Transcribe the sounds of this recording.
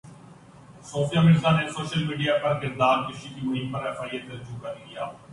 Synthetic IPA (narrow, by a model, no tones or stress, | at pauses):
soːfʰijaːmɪɽzaːneːsoːʃəlmiːɖijaːpəɾkɪɾd̪aːɾkɪsiːk̪imʊɦĩːmpəɾɛːfʰaːiːət̪əɾd͡ʒuːkəɾiːɡɪjaː